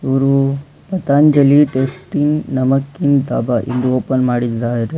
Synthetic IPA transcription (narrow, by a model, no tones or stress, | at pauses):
uɾu | pɐt̪aːnd͡ʒɐliʈeːsʈiŋnɐmɐkːind̪a̰ːbaʔḭnd̪uoːpɐnmaːɽid͡ʒd̪aɦeɾe